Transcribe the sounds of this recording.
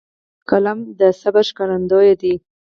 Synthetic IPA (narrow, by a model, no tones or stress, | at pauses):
kalamd̪əsabaʃkaland̪ojed̪i